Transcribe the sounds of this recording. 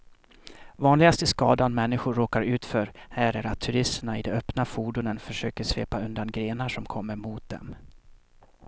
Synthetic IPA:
vɑːnlɪɡast̪əskɑːd̪anmɛnːɪɧʊːoːkaɾʉ̟ːt̪fœːɾhæːɾæɾat̪ʰːɵɾɪst̪əɳaɪd̪ɛnœpnafuːɖʊnənfœʂøːkəʂvḛːpaɵnd̪anɡɾeːnaʂɔmkʰɔmːəɾmuːt̪̚d̪ɛ̰m

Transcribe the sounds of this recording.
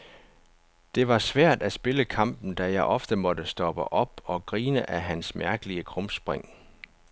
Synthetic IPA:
d̥e̝ʋɑ̈sʋæɐ̰d̥æsb̥e̝ləkʰɑ̈m̰b̥n̩d̥æjɑ̈ɪʔɒ̽fd̥əmɒ̽dəsd̥ɒ̽b̥əʔɒ̽b̥ɒ̽ɡ̥ʁiːnəʔæɦænsmæɐɡ̥əliəkʰʁɔmsb̥ʁeŋ̰

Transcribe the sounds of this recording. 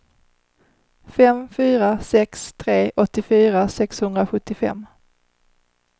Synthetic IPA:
fɛmfyːɾasɛkst̪ʰɾeːʔɔt̪ːɪfyːɾasɛkshɵnd̪ɾaɧɵt̪ːɪfɛ̰mː

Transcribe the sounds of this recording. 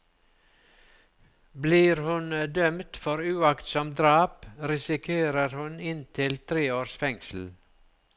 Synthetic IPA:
bliːɾhʉnd̪œmt̪fɔɾʉːɑkt̪sɔmd̪ɾɑːpɾɪsɪkʰeːɾəɾhʉnɪnt̪ʰɪlt̪ʰɾeːoːɾsfɛŋsl̩

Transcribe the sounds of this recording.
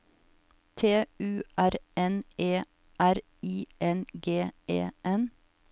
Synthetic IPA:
t̪ʰeːʉːʔæɾɛneː | ʔæɾ | iːʔɛnɡeːeːʔɛn

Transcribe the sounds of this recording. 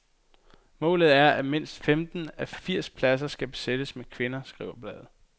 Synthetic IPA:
mɔ̰ːlð̞̩ˠæɐʔæme̝n̰sd̥femd̥n̩æfiɐ̰spʰlæs̬ɐsɡ̥æb̥e̝sed̥əsmekʰʋe̝nɐsɡ̥ʁḭʊɐb̥lɛ̰ːð̩ˠ

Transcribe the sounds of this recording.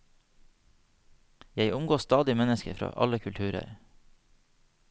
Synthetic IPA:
jæɪʔʊmɡoːst̪ɑːd̪ɪmɛnəskə̰fɾɑ̰ːʔɑ̰ləkʰʉlt̪ʰʉːɾə̰ɾ

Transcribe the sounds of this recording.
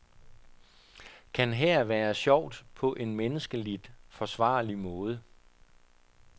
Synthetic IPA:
kʰænɦeɐ̰ʋæːɐɕɒʊ̰d̥pʰɒ̽ʔe̝nmenəsɡ̥əlid̥fɒ̽sʋɑ̈ːlimɔ̽ːð̞ˠə

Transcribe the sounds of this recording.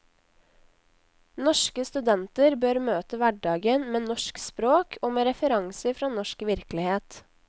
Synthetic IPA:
nɔʃkəst̪ʉd̪ɛnt̪əɾbøːɾmøːt̪əʋæɖɑːɡənmeːnɔʃkspɾoːkʰoːmeːɾɛfəɾɑŋsəfɾɑːnɔʃkʋɪɾklɪheːt̪

